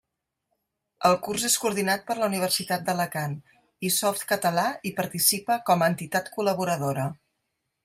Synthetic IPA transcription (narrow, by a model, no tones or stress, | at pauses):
əlˠkurzeskuuɾð̞inat̪̚pəɾləuniβ̞ərsit̪at̪̚d̪ələkan | isɔft̪kət̪əlaipəɾt̪isipəkɔməːnt̪it̪at̪kuləβ̞uɾəðoɾə